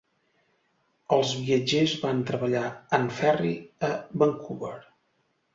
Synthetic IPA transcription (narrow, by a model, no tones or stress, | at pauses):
əlˠzβiəd͡ʒezβant̪ɾəβəʎaənfɛriəbəŋkʰuβəɾ